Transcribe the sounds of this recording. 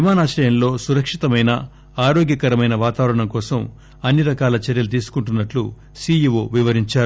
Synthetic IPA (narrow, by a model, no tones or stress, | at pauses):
imaːnaːʃɐjɐmlo̞ːsuɾɐkʂit̪ɐmɐjnɐ | aːɾoːɡjɐkɐɾɐmɐjnɐʋaːt̪aːʋɐɾɐɳɐmkɔːsɐm | ɐnːiɾɐkaːlɐt͡ʃɛɾjɐlut̪̬iːsu̥kuɳʈunːɐʈlṵ | siːjiʋoːʋiʋɐɾiɲt͡ʃaːɾu